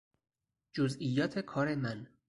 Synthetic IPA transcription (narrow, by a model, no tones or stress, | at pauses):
d͡ʒozʔijːɒːt̪ʰe̞kʰɒːɾe̞mæn